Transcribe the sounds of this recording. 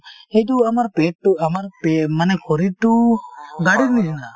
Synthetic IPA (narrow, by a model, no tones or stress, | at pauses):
et̪uɐmaɾpeʈʈːuɐmaɾpemɐnekʰoɾiʈuɡaɽiniina